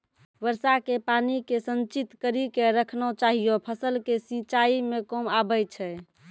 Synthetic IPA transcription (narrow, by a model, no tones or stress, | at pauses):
bəɾsakepanikesənt͡ʃit̪kəɾikeɾəkʰnɔt͡ʃaɦijopʰəsəlkesit͡ʃaimekomabəjt͡ʃʰɛ